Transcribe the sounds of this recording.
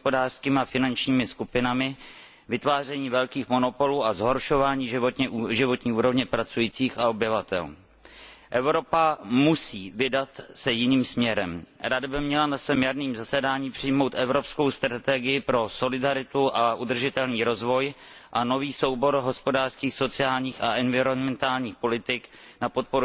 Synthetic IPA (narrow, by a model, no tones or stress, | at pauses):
spodaːr̥skiːmɪafɪnant͡ʃɲiːmɪskupɪnamɪ | vɪt̪vaːr̝ɛɲiːvɛlkiːxmo̞no̞po̞luːʔazɦo̞ɾʃo̞vaːɲiːʒɪvo̞t̪ɲiːuːɾo̞vɲɛpɾat͡sujiːt͡siːxaobjɪvat̪ɛ̰l | ʔɛvɾo̞pamusiːvɪdat̪sɛjɪniːmsmɲɛɾɛmɾadabɪmɲɛlanasvɛːmjadniːmzasɛdaːɲiːpr̝̥ɪjmo̞wt̪ʔɛvɾo̞psko̞wst̪ɾat̪ɛɡɪjɪpɾo̞so̞lɪdaɾɪt̪uʔaʔud̪r̩ʒɪt̪ɛlniːɾo̞zvo̞j | ʔano̞viːso̞wbo̞ɾɦo̞spo̞daːr̥skiːxso̞t͡sɪaːlɲiːxaʔɛnvɪɾonmɛnt̪aːlɲiːxpo̞lɪt̪ɪk | napo̞t̪̚po̞ɾu